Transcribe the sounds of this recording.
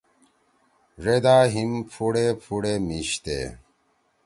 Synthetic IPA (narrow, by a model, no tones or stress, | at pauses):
ʐed̪aːɦimpʰuɽepʰuɽemiɕt̪ḛː